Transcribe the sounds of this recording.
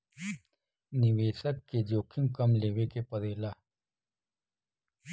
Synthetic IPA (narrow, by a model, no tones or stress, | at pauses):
nɪweːsəkːed͡ʒoːkʰimkɐmleːwekepɐd̪eːlaː